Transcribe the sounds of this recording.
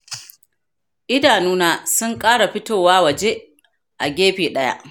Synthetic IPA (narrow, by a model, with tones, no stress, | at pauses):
ʔɪ˦daː˨nuː˦naː˦sʊ˦ŋkʼaː˦ɽa˨ɸɪ˦toː˨waː˦wɐ˨d͡ʒe˦ | ʔa̰˨ɡʲeː˦ɸiː˨ɗɐ˦ja̰˦ʔ